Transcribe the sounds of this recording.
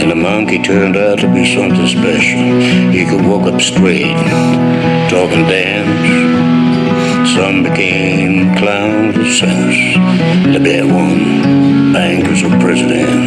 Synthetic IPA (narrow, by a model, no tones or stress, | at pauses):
ɨ̃nðəmʌ̃ŋkitʰɜ̃˞ndaʊtʰɨbisʌ̃msɨ̃spɛʃl̩ˠhikʰɨd̚wɔ˞kʌpstɹ̥eɪt̚ | tʰɔvɨ̃ndæ̃ms | sʌ̃mbɨkʰẽɪ̃m | kʰl̥ãʊ̃ŋzɨ̥sɛ̃ | s | nɨbɛwʌ̃n | bæ̃ŋkə˞zʌv̥pʰɹ̥ɛzɨɾɨ̰̃n